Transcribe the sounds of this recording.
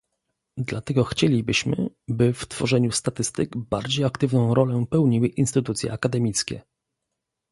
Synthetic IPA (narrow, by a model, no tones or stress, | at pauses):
d̪lat̪ɛɡɔxt͡ɕelʲibɘɕmɘ̰ | bɘft̪fɔʐɛɲust̪at̪ɘst̪ɘkbaɾd͡ʑejakt̪ɘvnɔ̃w̃ɾɔlɛpɛwɲiwɘʔinst̪ɘt̪ut̪sʲjɛ̰akad̪ɛmʲit̪skʲɛ̰